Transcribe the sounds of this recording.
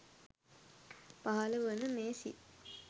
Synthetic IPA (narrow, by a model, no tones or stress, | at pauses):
paɦɐləʋənəmeːsḭ